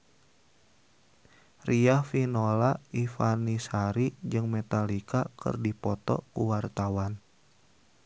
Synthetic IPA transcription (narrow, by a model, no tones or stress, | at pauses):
riafinolaifanisaɾid͡ʒɨŋmɛt̪alikakɨ̰rdipɔt̪ɔ̰kuwart̪awan